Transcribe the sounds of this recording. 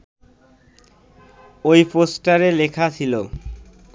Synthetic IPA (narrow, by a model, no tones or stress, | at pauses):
ojposʈaɾelekʰat͡ɕʰilo